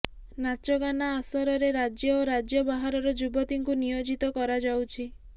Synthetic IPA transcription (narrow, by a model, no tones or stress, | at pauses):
nat͡ʃɔɡanaːsɔɾɔɾeɾad͡ʒjɔoɾad͡ʒjɔbaɦaɾɔɾɔd͡ʒubɔt̪iŋkunijod͡ʒit̪ɔkɔɾad͡ʒawt͡ʃʰi